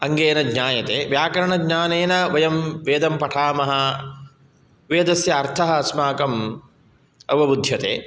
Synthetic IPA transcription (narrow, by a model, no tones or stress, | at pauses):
ɐŋɡeːnɐɡɲaːjɐt̪eːʋjaːkɐɾɐɳɐɡɲaːneːnɐʋɐjɐmʋeːd̪ɐmpɐʈʰaːmɐɦɐ | ʋeːd̪ɐsjɐːɾt̪ʰɐɦɐsmaːkɐm | ɐ̰ʋɐbud̪ʱjɐt̪ḛː